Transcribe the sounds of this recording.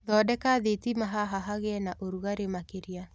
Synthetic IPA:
ðɔːdɛkaːðetimaɦaɦaɦaɣeɛnaʔoɾuɣaɾemakeɾia

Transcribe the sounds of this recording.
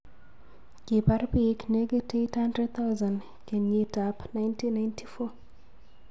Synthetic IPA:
kipaɾpikneɡetithandɾɛd̚t̪ʰawzan | kenjitapnajntinːajntʰifɔ

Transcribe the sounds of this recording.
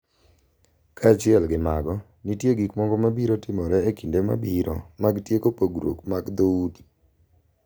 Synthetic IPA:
kʰat͡ʃɪɛlɡɪmaɡɔ | nitjeɡikmɔɡɔmabiɾotɪmɔɾɛekindema̰biɾɔ̰maɡtjekopoɡɾo̰kmaɡd̪oudi

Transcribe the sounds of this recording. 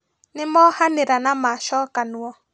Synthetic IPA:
nɪmɔhaneɾanamaʃɔkanuɔ

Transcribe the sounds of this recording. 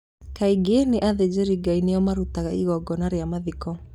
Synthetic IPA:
kaiɡeneʔaðed͡ʑeɾiɡainejɔmaɾutaɣaiɣɔɡɔnaɾeamaðikɔ

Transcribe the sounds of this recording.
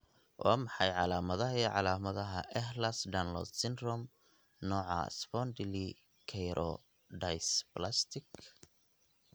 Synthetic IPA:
wʔaːmɑħɑjʕɑlaːmɐðɐɦiʕɑlaːmɐðɐɦɐʔɛhlɐsd̪anlɔ̰d̪sɪnd̪ɾɔm | nɔːʕɑ̰spɔnd̪ɪli | kʰɛjɾʔɔ̰ | dajsplast̪ʰɪk

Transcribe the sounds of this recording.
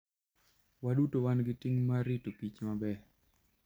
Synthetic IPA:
waɗutowanɡɪtiŋmaɾitopit͡ʃmabɛ

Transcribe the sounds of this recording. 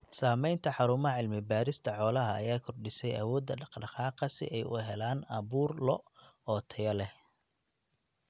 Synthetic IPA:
saːmɛjnt̪ʰɐħɑɾʊmɐʕɪlmɪbaːɾɪst̪ʰɐħɔːlɐɦɐːjaːkʰɔrɖɪsɛjɐwɔːd̪ːɐɖɑqɖɑqɑːqɑsɪ̰ʔɛjʊ̰ɦɛlaːnɐβuːrlɔɔːt̪ʰɐjɐlɛ

